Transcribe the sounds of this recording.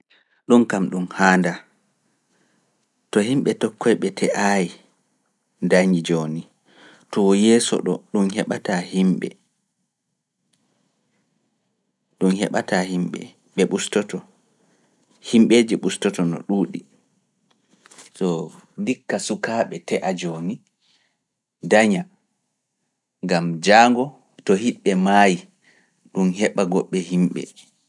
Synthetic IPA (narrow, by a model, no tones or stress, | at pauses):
ɗunkamɗumhaːnda | tɔhimɓɛtɔkːɔjɓɛtʰɛʔaji | ndaɲid͡ʒoːni | tɔwjɛːsɔ̰ɗɔ̰ɗunhɛɓatahimɓɛ̰ | ɗunhɛ̰ɓatahimɓɛ̰ | ɓɛɓustɔtɔ | himɓeːd͡ʒɛɓustɔtɔnɔ̰ɗuːɗi | sɔdikːasukaːɓɛtɛʔad͡ʒoːni | daɲa | ŋɡamd͡ʒaːŋɡɔ | tɔhiɗɓɛmaji | ɗunhɛɓaɡɔɓːɛhimɓɛ̰